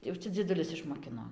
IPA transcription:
jɛʊ ˈt͡ʃʲɛ d͡zʲiɛˈdʊlʲɪs ɪʃmoːˈkʲɪnoː

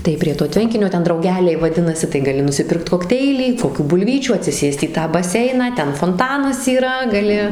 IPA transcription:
tɐɪ pʲrʲiɛ toː ˈtʲʋʲɛŋʲkʲɪnʲoː ˈtʲɛn drɐʊˈɡʲæːlʲɛɪ ʋɐˈdʲɪnɐsʲɪ tɐɪ ɡɐˈlʲɪ nʊsʲɪˈpʲɪrkt koːkˈtʲɛɪlʲiː koːˈkʲuː bʊlʲˈʋʲiːt͡ʃʲuː ɐtʲsʲɪˈsʲeːst iː ˈtɑː bɐˈsʲɛɪnɑː ˈtʲɛn foːnˈtɑːnɐs iːˈrɐ ɡɐˈlʲɪ

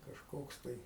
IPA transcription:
kɐʃˈkoːks tɐɪ

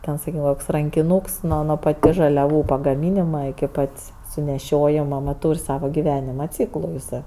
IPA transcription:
ˈtʲɛn sɐˈkʲiːkʲɛm koːks rɐŋʲkʲɪˈnuːks ˈnuɔ nuɔ pɐˈtʲɪs ʒɐlʲɛˈʋuː pɐɡɐˈmʲiːnʲɪmɐ ɪkʲɪ ˈpɐtʲsʲ sʊnʲɛˈʃʲoːjɪmɐ nʊ ˈtuːrʲ ˈsɑːʋɐ ɡʲɪˈʋʲæːnʲɪmɐ ˈt͡sʲiːklˠʊ jɪˈsɜ

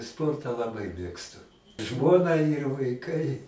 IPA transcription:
ˈspoːrtɑː lˠɐˈbɐɪ ˈmʲeːkstʊ ˈʒmoːnɐ ɪr ʋɐɪˈkɐɪ

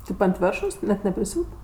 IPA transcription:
ˈtʲeːp ɐnt ˈʋʲeːrʃoːs nʲɛt nʲɛpʲrʲɪˈsʲuːt

